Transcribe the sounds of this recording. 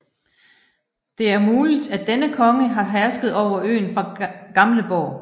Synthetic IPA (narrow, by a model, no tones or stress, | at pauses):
d̥e̝æɐmuːlid̥æd̥enəkʰɒ̽ŋəɦɑ̈ɦæɐsɡ̥ð̩ˠɒʊ̰ɐʔø̰ːnfʁɑ̈ɡ̥ɑ̈mləb̥ɒ̰ʊ